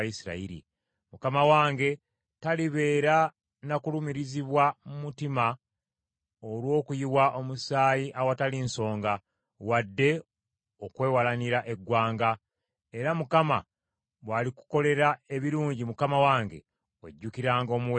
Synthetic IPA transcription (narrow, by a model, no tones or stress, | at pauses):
jisiɾa̰iɾḭ | mukamawaːŋɡe̞ | taliβe̞ːɾa | nakulumiɾiziβwamumutima | o̞lwo̞ːkujiwaʔo̞musaːjiʔawatalinso̞ːŋɡa | wadːe̞ | okwe̞ːwalaniɾaʔe̞ɡwaːŋɡa | e̞ɾamukama | βwaːliku̥ko̞le̞ɾae̞βiɾuːɲɟimukamawaːŋɡe̞̰ | wḛɟːukiɾaːŋɡo̞muw